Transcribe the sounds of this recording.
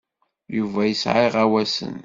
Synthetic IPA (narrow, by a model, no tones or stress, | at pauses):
juvæjəsʕiʁæwæsə̰n